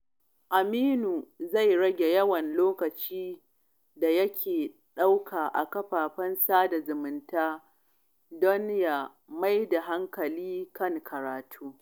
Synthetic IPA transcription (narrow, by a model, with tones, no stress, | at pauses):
ʔa˨miː˦nuː˨za˦˨jɽɐ˦ɡʲe˨jɐ˦wɐ˨nloː˦kɐ˨t͡ʃiː˦ | da˨jɐ˦kʲʰeː˨ | ɗa˦wkʰaː˨ʔa̰˨kɐ˦ɸaː˨ɸɐ˦nsaː˦da˨zʊ˨mɪ˨ntaː˦ | dɔ˦nja˦ | ma˦jda˨ɦa˦ŋkɐ˨liː˦kɐ˦˨ŋkʰɐ˨ɾaː˨tʰuː˦